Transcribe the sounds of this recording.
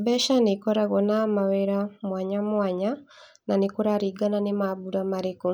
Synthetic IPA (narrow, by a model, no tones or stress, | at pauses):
bɛʃanekɔɾaɣɔnamaweɾamwaɲamwaɲa | nanekoɾaɾiɡananemaβuɾamaɾeko